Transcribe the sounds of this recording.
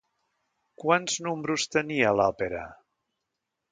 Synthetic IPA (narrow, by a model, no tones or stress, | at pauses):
kwanznumbɾust̪əniəlɔpeɾə̰